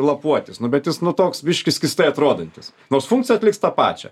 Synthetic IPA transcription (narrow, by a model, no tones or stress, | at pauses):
lˠɐpuɔt̪ʲɪsnʊbʲɛt̪jɪsnʊt̪oːksbʲɪʃʲkʲɪskʲɪsʲt̪ɐɪɐt̪ɾoːd̪ɐnʲt̪ʲɪs | noːrsfuŋkt͡sʲsʲɪjɛɐt̪ʲlʲɪkst̪ɑːpɑ̰ːt͡ʃʲɛ̰